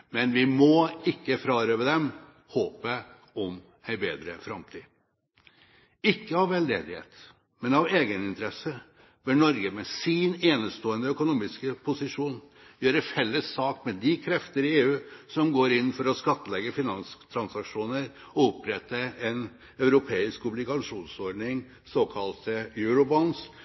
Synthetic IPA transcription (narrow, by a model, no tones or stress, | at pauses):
mɛnʋɪmɔɪkːəfɾɑːɾøːʋəd̪ɛm | hoːpə | ɔm | æɪbḛːd̪ɾə̰fɾɑmt̪ʰiː | ɪkːəɑʋːɛld̪ḛːd̪ɪhḛːt̪ | mɛnɑʋeːɡənɪnt̪əɾɛsə | bɪnɔɾɡəmɛsɪneːnəst̪oːənəœkʊnuːmɪskəpʰʊsɪʂuːn | jøːɾəfɛlːəsːɑːkmɛd̪ɪkʰɾɛft̪əɾɪeːʉːsɔmɡoːɾɪnːfɔɾɔskɑt̪ːəlɛɡːəfɪnɑnst̪ʰɾɑnsɑkʂuːnəɾ | ɔʊpːɾɛt̪ːəɛn | œʉɾʊpʰeːɪskʊblɪɡɑʂuːnsɔɾɖɳɪŋ | soːkʰɑlt̪əjʉːɾʊbɔns